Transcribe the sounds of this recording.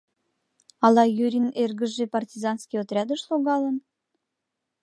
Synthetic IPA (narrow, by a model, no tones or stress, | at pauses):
ɑlɑjyɾʲinerɡəʒepɑrtʲizɑnskʲiot̪rʲɑd̪əʃloɣɑlən